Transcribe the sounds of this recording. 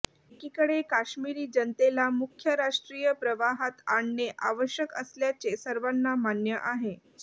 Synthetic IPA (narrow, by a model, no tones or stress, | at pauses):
ekiːkəɽekaɕmiɾiːd͡ʑənt̪elamukʰːjəɾaʂʈɾijəpɾəʋaɦat̪aɳːeʔaʋəɕjəkə̰sljat͡ɕesəɾʋanːamanjəʔaɦe